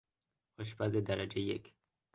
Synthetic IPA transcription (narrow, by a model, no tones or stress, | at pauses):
ɒʃbæzed̪æɾæd͡ʒejekʰ